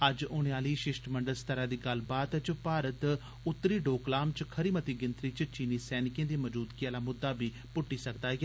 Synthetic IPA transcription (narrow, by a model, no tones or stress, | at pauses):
əd͡ʒʊɽ̃eaːliːʃɪʃʈməɳɖəlst̪əɾãːd̪iːɡəlbaːt̪t͡ʃpaːɾət̪ | ʊt̪ːɾiːɖoːklaːmt͡ʃkʰəɾiːmət̪iːɡɪnt̪ɾiːt͡ʃt͡ʃiːniːsɛːnɪkjẽːd̪iːməd͡ʒuːd̪kiaːlaːmʊd̪ːaːbiː | pʊʈːiːsəkd̪aː